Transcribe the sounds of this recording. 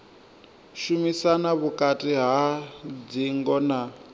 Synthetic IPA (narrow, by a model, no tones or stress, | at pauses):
ʃumisanaβukʼatʼiɦad͡ziŋɡɔna